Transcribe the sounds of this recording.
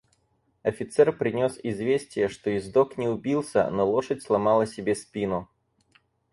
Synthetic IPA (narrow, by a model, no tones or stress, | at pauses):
ɐfʲɪt̪sɛrpɾʲɪnʲo̞sɪzvʲesʲtʲɪjəʂt̪o̞ɪzd̪oknʲɪʊbʲilˠsʲə̰nolˠo̞ʂətʲslˠɐmɑlˠəsʲɪbʲespʲinʊ